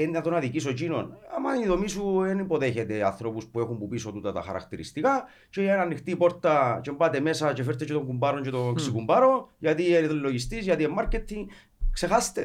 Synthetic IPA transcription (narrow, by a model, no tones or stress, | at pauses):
enat̪onaðikis̬ot͡ʃino̰na̰maniðomisuenimboðeçet̪ea̰θɾobuspuexumbupisot̪ut̪at̪a̰xa̰ɾa̰kt̪eɾḭst̪ika | t͡ʃeananːixt̪ipoɾt̪at͡ʃembat̪emesat͡ʃefeɾt̪ːet͡ʃet̪oŋɡumbaɾoɲt͡ʃet̪oŋksikumbaɾojat̪iet̪lːoʝist̪isjat̪iemːaɾket̪ʰːiŋ | ksexast̪e